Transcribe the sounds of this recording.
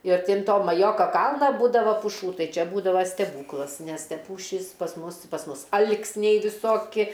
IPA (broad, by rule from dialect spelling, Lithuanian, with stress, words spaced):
ɪr ˈtʲɪ ɐn ˈtoː mɐˈjoːkɐ ˈkɐlˠnɐ ˈbuːdɐʋɐ pʊˈʃuː ˈtɐɪ ˈt͡ʃʲɛ ˈbuːdɐʋɐ sʲtʲɛˈbuːklˠɐs nʲɛs tʲɛ ˈpuːʃʲiːs pɐs ˈmʊs pɐs ˈmʊs ˈɐlʲkʲsʲnʲɛɪ ʋʲɪˈsoːkʲɪ